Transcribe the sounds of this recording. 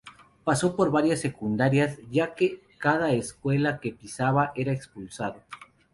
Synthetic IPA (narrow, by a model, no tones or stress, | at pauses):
paso̞po̞ɾβaɾjasːe̞kund̪aɾjasʝake | kaðaeskwe̞lake̞pisaβaʔe̞ɾaekspulsaðo